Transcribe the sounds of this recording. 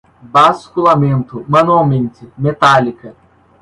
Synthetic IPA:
baskulamẽnt̪ʊmɐ̃nuawmẽnt̪ɪmet̪alikɐ

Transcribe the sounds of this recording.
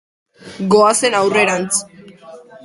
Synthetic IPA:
ɡoasenawreɾant͡s

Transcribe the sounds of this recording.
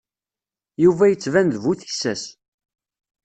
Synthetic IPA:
juvæjət͡sːvænðvuθi̥sːæs

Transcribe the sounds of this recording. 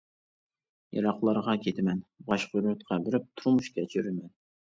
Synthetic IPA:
jɑ̰ɾɑχlˠɑɾʁɑkʲʰet̪ʰɪmɛnbɑʃqyɾt̪qʰɑbɪɾɪp̚t̪ʰuɾmuʃkʲɛt͡ʃʰyɾymɛn

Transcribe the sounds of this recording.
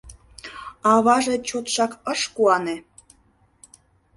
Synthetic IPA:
ɑβɑʒet͡ɕot̪ʃɑkəʃkuɑne

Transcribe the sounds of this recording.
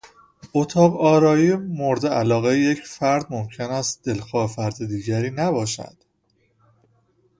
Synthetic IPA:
ot̪ʰɒːʁɒːɾɒːiːmoɾd̪eælɒːɣejejecfæɾd̪mo̞mcʰenæst̪̚d̪̥e̞lxɒːefæɾd̪ed̪iːɟæɾiːnæbɒːʃæ̰d̪̥

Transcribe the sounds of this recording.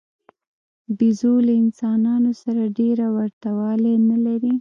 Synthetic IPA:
bizolaɪnsɑnɑnosaɾaɖeɾawaɾt̪awɑlenalaɾi

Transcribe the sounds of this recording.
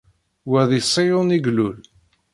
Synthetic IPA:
wæðˤisˤːijʊniɡlul

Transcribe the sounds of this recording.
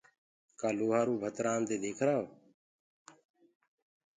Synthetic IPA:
kaːluːɦaːɾuːbʱət̪ɾaːnd̪eːd̪eːkʰɾaːo

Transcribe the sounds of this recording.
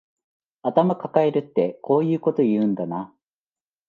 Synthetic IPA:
at̪amakakaeɾɯ̟t̪ːe̞ko̞ːjɯ̟ːko̞t̪o̞jɯ̟̃ːnd̪ana

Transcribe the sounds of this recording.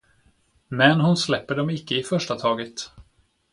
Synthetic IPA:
mɛnɦʊnslɛpːəɖɔmɪkːəɪfœʂʈat̪ʰɑːɡət̪

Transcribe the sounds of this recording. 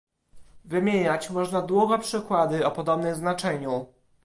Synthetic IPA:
vɘmʲjeɲat͡ɕmɔʐnad̪wuɡɔpʂɘkwad̪ɘɔpɔd̪ɔbnɘmznat͡ʂɛɲu

